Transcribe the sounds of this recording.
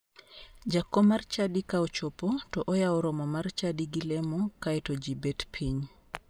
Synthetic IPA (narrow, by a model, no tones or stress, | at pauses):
d͡ʒakːɔmaɾt͡ʃadikaɔt͡ʃopotɔʔɔjawɾɔmɔmaɾt͡ʃadiɡilɛmɔkajtɔd͡ʒibɛtpʰiɲ